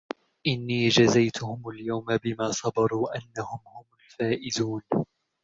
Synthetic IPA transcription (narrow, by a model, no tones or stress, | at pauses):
ʔɪnːiːd͡ʒazajt̪ʊhʊmaljawmabɪmaːsˤɑbɑɾˤuːʔanːahʊmhʊmʊlfaːʔɪzuːn